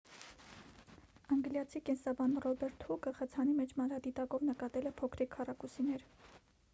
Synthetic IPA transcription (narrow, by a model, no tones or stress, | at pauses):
ɑŋɡljɑt͡sʰikɛnsɑbɑnrɔbɛɾt̪hukəχət͡sʰɑnimɛt͡ʃʰmɑnɾɑd̪it̪ɑkɔvnəkɑt̪ɛlɛpʰɔkʰɾikʰːɑrɑkusinɛɾ